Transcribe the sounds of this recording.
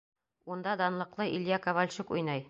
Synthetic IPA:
und̪ɑd̪ɑnlˠɤ̆qlˠɤʔilʲjɑkɐvalʲɕukujnɑj

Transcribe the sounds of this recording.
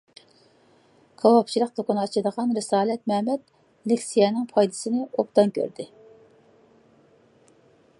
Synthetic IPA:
ɡ̥ʰɑwɑpt͡ʃʰilˠəq̚d̪okʊnɨɑt͡ʃʰid̪əʁɑnɾɨsɑːlɛt̪̚mɛmɛt̪̚ | lɪkʲsijɛnɪŋpʰɑjd̪ɨ̥sɨnɪop̚t̪ɑnkʲʰø̰ɾd̪ɪ

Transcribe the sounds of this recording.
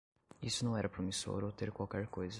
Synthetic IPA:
isʊnɐ̃w̃ɛɾɐpɾomiso̰ɾot̪eɾkwawkɛɾkojzɐ

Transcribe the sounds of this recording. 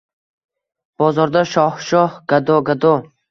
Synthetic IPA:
b̥ɒzɒɾd̪aʃɒhʃɒhɡ̥ad̪oɡad̪o

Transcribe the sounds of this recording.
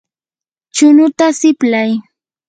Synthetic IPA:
t͡ʃʊnʊt̪asɪplaj

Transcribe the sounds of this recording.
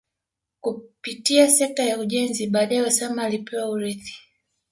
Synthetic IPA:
kupitiasɛk̚tajauʄɛnziɓaːɗaɛɔsamalipɛwauɾiθi̥

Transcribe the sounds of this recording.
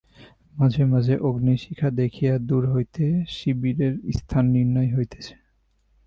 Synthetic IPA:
mad͡ʑʱemad͡ʑʱeʔoɡniʃikʰad̪ekʰijad̪uɾɦojt̪eʃibiɾeɾist̪ʰanːiɾnɔjɦojt̪e̥t͡ɕʰe̥

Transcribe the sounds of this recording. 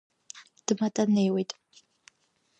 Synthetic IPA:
d̥ɨmɐtʼɐneːwejtʼ

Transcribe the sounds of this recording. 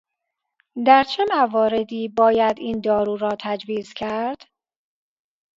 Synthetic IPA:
d̪æɾt͡ʃʰemævɒːɾe̞d̪iːbɒːjæd̪iːnd̪ɒːɾuːɾɒːt̪ʰæd͡ʒviːzcʰæɾd̪̥

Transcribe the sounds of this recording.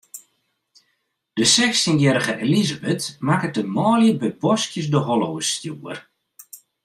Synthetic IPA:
d̥əsɛkstinjɛɾəɣəʔelizabətmakət̚dəmɔːljəbɛbɔskjəs̬dəɦɔlowəstjuər

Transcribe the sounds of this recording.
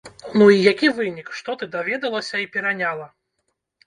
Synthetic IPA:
nuijakʲivɨnʲikʂt̪ɔt̪ɨd̪avʲɛd̪ɐlˠɐsʲɐipʲɛɾanʲalˠɐ

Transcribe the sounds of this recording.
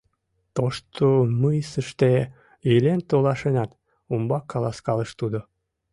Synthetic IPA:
t̪oʃt̪omɯjsəʃt̪e | elent̪olɑʃenɑt̪ | umbɑkːɑlɑskɑləʃt̪ud̪o

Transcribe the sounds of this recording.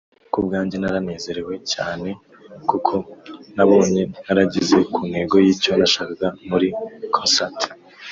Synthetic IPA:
kub̚ɡaːɲɟenaɾane̞ːze̞ɾe̞we̞caːne̞ | kukʰo̞naβo̞ːɲe̞naɾaɟize̞kʰuːnhe̞ːɡo̞jiːco̞naʃaːkaɡamuɾikʰonsat

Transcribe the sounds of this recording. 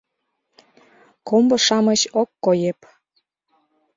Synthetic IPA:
kombɤ̆ʃɑmət͡ɕokːojep

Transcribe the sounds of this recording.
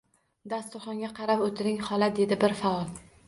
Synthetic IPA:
d̪ast̪ʊχɒŋɡʲaqʰɑɾapot̪ʰɪɾɪŋhɒlˠad̪e̞d̪ɪbɪɾfaɒlˠ

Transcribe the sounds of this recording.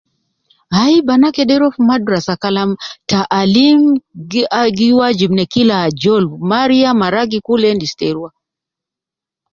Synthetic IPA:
aibanakɛɗɛɾɔfmadɾasakalamtaʔːlim | aɡiwad͡ʒimnɛkilad͡ʒɔlmaɾiamaɾaɡikulɛndistɛɾua

